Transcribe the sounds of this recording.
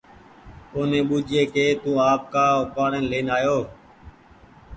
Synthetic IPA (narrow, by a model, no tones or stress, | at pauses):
ʊːnẽːɓuːd͡ʒeːkeːt̪ũːaːp̚kaːokaːɽẽːnleːnaːjoː